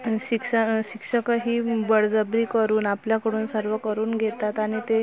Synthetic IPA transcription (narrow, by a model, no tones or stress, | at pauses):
ɕikʂəɕikʂəkəɦiːbəɽd͡zəbɾiːkəɾuːnapljakəɽuːnsəɾʋəkəɾuːnɡʱet̪at̪aɽ̃it̪e